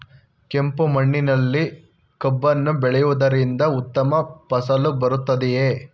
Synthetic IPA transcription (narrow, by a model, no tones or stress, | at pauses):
ke̞mpumɐɳːinɐlːi | kɐbːɐnːubɛɭɛjuʋd̪ɐɾind̪ɐut̪ːɐmɐpɐsɐlubɐɾut̪ːɐd̪ɛje